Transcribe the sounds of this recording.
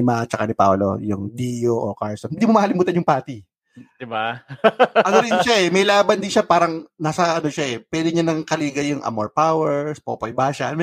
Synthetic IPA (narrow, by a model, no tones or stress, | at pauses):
ɪmɐt͡ʃɐkanɪpa̰wlo̰jʊŋd̪iːjoʔo̰kaɹsonɪnd̪iːmomɐhɐlɪmuːt̪ɐnjʊŋpaːt̪ɪ | d̪̥ɪba | ɐɡoɾɪʃaʔɛmɐjlaːbɐnd̪ɪnʃapaːɾɐŋnaːsɐʔɐno̞ʃaʔɛpwɛːd̪ɪɲanɐŋkɐliːɡɐjʊŋʔɐ̰moɹpawɛɹspoːpojbaːʃɐnm